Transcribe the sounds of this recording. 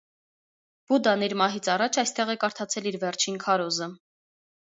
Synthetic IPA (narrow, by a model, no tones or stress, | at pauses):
b̥ud̪ɑniɾmɑɦit͡sʰɑrɑt͡ʃʰɑjst̪ɛʁɛkɑɾt̪ʰɑt͡sʰɛliɾvɛɾt͡ʃʰinkʰɑɾɔzə